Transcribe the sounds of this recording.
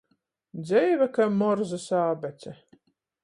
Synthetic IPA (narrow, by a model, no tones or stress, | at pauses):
d̪zʲɛjvakamɔɾzasaːbɛt̪sʲɛ